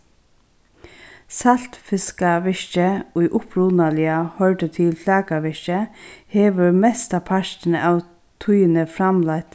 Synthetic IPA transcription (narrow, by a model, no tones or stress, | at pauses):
sɑl̥t̪fɪskaʋɪʃt͡ʃəʊʔʊpɾuːnalɪahœɹʈət̪ʰɪlfʰlɑːkaʋɪʃt͡ʃəheːʋəɹmɛst̪apʰaʃtnəʔɑːʋ | t̪ʰujənəfɾamlaɪt̪